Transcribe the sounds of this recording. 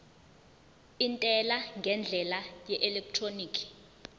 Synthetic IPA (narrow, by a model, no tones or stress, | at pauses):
intʼɛlaŋɡʱɛnd͡ɮʱɛlajɛʔɛlɛk̚tʰroniːkʰi̥